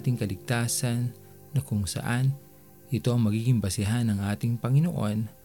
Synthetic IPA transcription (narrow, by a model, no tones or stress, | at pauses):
t̪ɪŋkɐlɪɡ̚t̪aːsɐnː | ɐkʊŋsɐ̰ʔan | ʔɪt̪o̞ɐŋmɐɡiːɡɪŋbɐsɪɦanːɐŋʔaːt̪ɪŋpɐŋɪnoʔo̞n